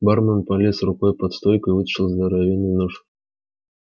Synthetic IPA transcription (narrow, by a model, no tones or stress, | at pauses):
barmənpɐlʲesrʊkojpɐt̪st̪ojkʊɪvɨt̪ʂɨlˠzd̪əɾɐvʲinɨnoʂ